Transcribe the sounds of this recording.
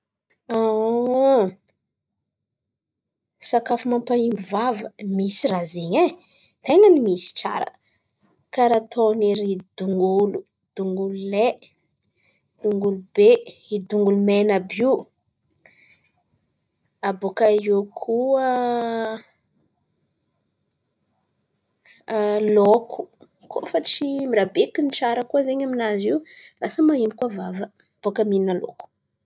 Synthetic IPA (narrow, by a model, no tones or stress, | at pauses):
a | sakafumampaimbivavəmisirazeɲe | t̪eŋənimisi̥t͡sa̰ɾə̰ | kaɾat̪ʰoneɾid̪̥uŋɡulu | d̪̥uŋɡulule | d̪̥uŋɡulubeid̪uŋɡulumenabi | abokaewkʰuə | lokʰu̥ | kʰo̰fat͡ʃimiɾabekint͡ʃaɾəkuəzeɲaminaziwlasəmaimikuavavə | b̥okəmininalo̰ku̥